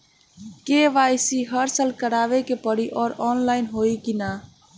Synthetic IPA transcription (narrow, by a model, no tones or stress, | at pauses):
keʋajsiɦəɾsəlkəɾaʋekepəɽiʔɔːɾɔːnlaɪnɦoikina